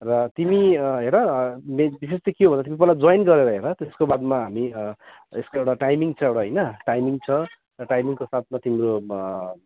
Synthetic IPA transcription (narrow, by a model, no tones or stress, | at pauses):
rʌt̪imiɦeɾʌmebisest̪ʌkjobʱʌnd̪at̪imipʌlad͡zojnɡʌɾeɾʌɦeɾʌt̪eskobad̪maɦami | eskoewʈaʈajmiŋt͡sʰʌewʈaɦʌjnʌʈajmiŋt͡sʰʌ | rʌʈajmiŋkosat̪̚ʰmat̪imɾo